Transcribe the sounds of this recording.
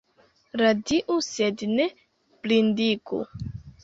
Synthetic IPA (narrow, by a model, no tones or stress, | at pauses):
ɾadiʔusedne | plindikṵ